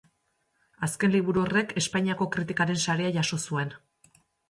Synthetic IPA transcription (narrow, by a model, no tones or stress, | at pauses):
aske̞nliβ̞uɾuo̞re̞ke̞spaɲiako̞kɾit̪ikaɾe̞nsaɾe̞aʝaso̞sue̞n